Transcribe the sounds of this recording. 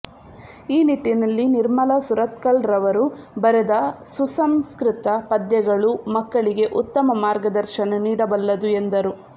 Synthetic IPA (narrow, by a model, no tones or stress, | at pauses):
iːniʈ̪ːinɐlːiniɾmɐlɐsuɾɐt̪kɐlɾɐʋɐɾubɐɾed̪ɐsusɐmskɾɪt̪ɐpɐd̪jɐɡɐɭumɐkːɐɭiɡe̞ʔut̪ːɐmɐmaːɾɡɐd̪ɐɾʃɐnɐniːɽɐbɐlːɐd̪ue̞nd̪ɐɾu